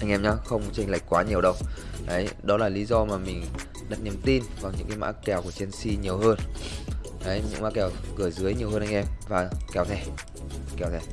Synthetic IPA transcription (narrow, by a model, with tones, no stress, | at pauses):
ʔa˧ŋʔɛ˧mɲaː˧˦xə˧wŋ͡mt͡ɕa˧ŋla˨˩jk̟̚kwaː˨˦ɲi˨˩əwɗə˧wʔə˨˦jɗɔ˨˦laː˨˩li˨˦zɔ˧maː˨˩mï˨˩ŋ̟ | ɗaː˦˥t̚ni˧əmt̪i˧nvaː˨˩ŋɲɨ̰˧˥kaː˨˦jma̰ː˧˥kɛ˨˩wku˧˩ət͡ɕi˧ənsi˧ɲi˨˩əwɦəː˧n | ʔə˨˦jɲɨ̰˧˥ŋma̰ː˧˥kɛ˧˩wkɨ˧˩əzɨ˨˦əjɲi˨˩əwhəː˧nʔa˧ŋ̟ʔɛ˧mvaː˨˩kɛ˨˦wt̪ʰɛ˧˩ | kɛ˨˩wt̪ʰɛ˧˩